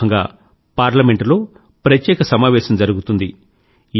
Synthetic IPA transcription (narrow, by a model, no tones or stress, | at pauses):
ɐŋɡa̰ː | paːɾlɐme̞ɳʈlo̞ː | pɾɐt̪jɛːkɐsɐmaːʋɛːʃɐmd͡ʒɐɾuɡut̪und̪i